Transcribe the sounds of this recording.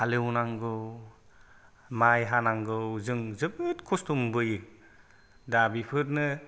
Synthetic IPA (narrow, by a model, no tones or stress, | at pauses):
halewnaŋɡɯw | majɦanaŋɡɯwzɯŋzɯbɯtkʰɔstumbɯj | dabipʰɯɾnɯ